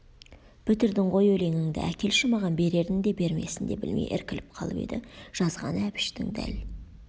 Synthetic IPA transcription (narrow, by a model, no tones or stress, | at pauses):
pʰʏt̪ɪɾd̪ɪɴʁo̞jɵle̞ŋɪŋd̪ɪ̰ækʲe̞lʃɪmɑʁɑnbe̞ɾe̞ɾd̪ɪŋd̪e̞be̞ɾme̞̰sɪnd̪e̞̰bɪ̰lmḛjʔɪ̰ɾkʲɪlɪp̚qʰɑlˠə̰pe̞̰d̪ɪʒ̥ɑzʁɑ̰næpɪ̥ʃt̪ɪ̰ŋd̪æ̰l